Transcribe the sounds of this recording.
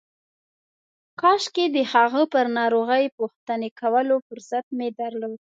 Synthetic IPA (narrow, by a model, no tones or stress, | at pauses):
kɑʃked̪əhɑɣəpəɾnɑɾoɣəjpuxt̪ənekʰawəlofʊɾsat̪̚med̪aɾlod̪